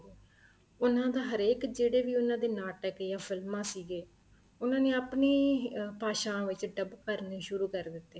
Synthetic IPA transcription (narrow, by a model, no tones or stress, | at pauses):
ʊnãːd̪aːɦəɾeːkd͡ʒeːɽeːʋiːʊnãːd̪eːnaːʈəkjaːfʰɪlmãːsiːɡeː | ʊnãːneːapneːpaːʃãːʋɪt͡ʃɖəbkəɾneːʃʊɾuːkəɾd̪ɪt̪ːeː